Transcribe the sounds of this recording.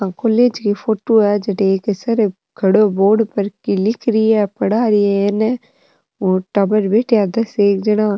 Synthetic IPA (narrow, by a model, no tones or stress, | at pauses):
ãkoːleːd͡ʒkifoːʈoɛd͡ʒɐʈeeːksɐɾe | ɡʰʱɐɽoboːɖpɐɾkilɪkʰɾɪiɛpɐɽaːɾiɛene | oːʈabəɾbeːʈʰead̪ɐseːk̚d͡ʒɐnãː